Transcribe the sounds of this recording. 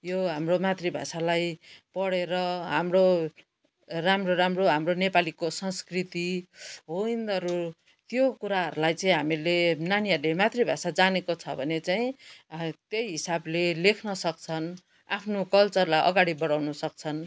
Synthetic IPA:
joɦamromat̪ribʱa̰salajpʌɽeɾʌɦamro | ramroramroɦamronepalikosʌnskrit̪iɦoind̪ʌɾu | t̪jokuɾaɦʌ̰ɾulajt͡saĩɦamilenanialemat̪ribʱasad͡zanekot͡sʰʌbʱʌnet͡saĩ | t̪jʌjɦisablelekʰnʌsʌkt͡sʰʌn | apʰnokʌlt͡sʌrlajʔʌ̰ɡaɽibʌɽawnʌsʌk̚t͡sʰʌn

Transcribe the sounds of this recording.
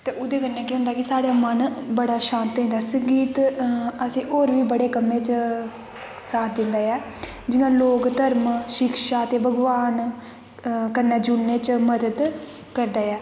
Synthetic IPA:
t̪eːʔʊd̪eːkəɾnɛːkeɦʊ̃nd̪aːkɪsaːɽaːmənbəɽaːʃãːnt̪ɦɛ̃ːnd̪aːsəŋɡiːt̪əsĩːʔoːɾʋiːbəɽeːkəmẽːt͡ʃ | saːt̪ʰd̪ɪnd̪aːjɛː | d͡ʒɪnãːloːkt̪əɾmʃɪkʃaːət̪eːbʱəɡʋaːn | kəɾnɛːd͡ʒʊnːẽːt͡ʃməd̪əd̪ | kəɾd̪aːjɛː

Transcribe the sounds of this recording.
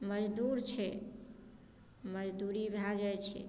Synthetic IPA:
məd͡ʒd̪uɾt͡ʃʰɛ | məd͡ʒd̪uɾibʱad͡ʒajt͡ʃʰɛ̰

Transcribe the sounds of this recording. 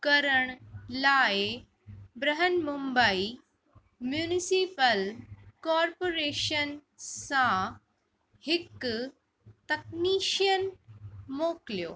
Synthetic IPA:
kəɾəɳlae | bɾəɦənmumbəi | mjuːnisipəlkɔɾpoːɾeːʃən | sã | hɪkː | t̪ək̚niːʃjənmoːkljo

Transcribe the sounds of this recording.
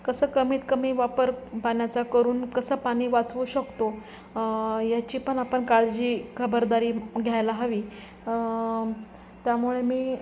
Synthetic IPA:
kəsəːkəmiːt̪kəmiːʋapəɾpaɳjat͡sakəɾuːnkəsəːpaɽ̃iːʋat͡sʋuːɕəkt̪o | jat͡ɕiːpəɳapəɳkaɭd͡ʑiːkʰəbəɾd̪aɾiːɡʱjajlaɦəʋiː | t̪jamuɭemiː

